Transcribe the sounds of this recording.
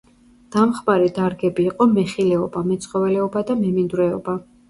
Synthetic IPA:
d̪̥amχmaɾid̪aɾɡɛbiːqʼɔmɛχilɛɔbamɛt̪sʼχʼɔvɛlɛɔbad̪amɛmind̪uɾɛɔ̰ba

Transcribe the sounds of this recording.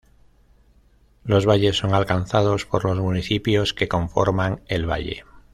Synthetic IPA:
lo̞zβaʎe̞sːo̞ŋalkan̟θað̞o̞spo̞ɾlo̞zmuniθipjo̞ske̞kõ̞ɱfo̞̰ɾmaŋe̞lβa̰ʎḛ

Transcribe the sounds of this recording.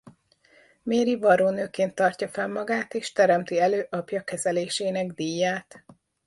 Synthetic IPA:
meːɾivɒɾoːnøːkeːnt̪ːɒrcɒfɛmːɒɡaːt̪eːʃt̪ɛɾɛmt̪iɛløːʔɒpjɒkɛzɛleːʃeːnɛɡd̪iːjːaːt̪

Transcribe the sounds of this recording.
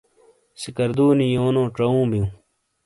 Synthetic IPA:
sikɐɾd̪uːnijoːnõːʈ͡ʂɐũːbijũː

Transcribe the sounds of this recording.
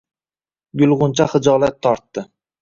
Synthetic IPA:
ɡʊlˠʁʊnt͡ʃʰaχɨd͡ʒɒlˠat̪ʰːɒɾt̪ːɪ

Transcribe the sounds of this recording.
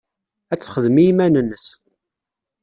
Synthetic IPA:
æt͡sːχəðmiimænənːəs

